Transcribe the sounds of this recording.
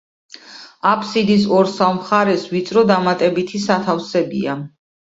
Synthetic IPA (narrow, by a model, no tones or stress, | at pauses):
apʰʼsid̪isɔɾsavmχaɾɛsvit̪sʼɾɔd̪amat̪ʼɛbit̪ʰisat̪ʰafsɛbḭa